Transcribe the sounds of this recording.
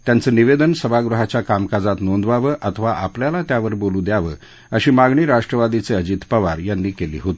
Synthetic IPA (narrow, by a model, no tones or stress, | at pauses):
t̪jant͡səːniʋed̪ənsəbʱaɡɾuɦat͡ɕjakamkad͡zat̪nond̪ʋaʋəːʔət̪ʰəʋaʔapljalat̪jaʋəɾbolũːd̪jaʋəː | əɕiːmaɡɳiːɾaʂʈɾəʋad̪it͡seəd͡ʑit̪pəʋaɾjanːiːkelḭːɦot̪i̥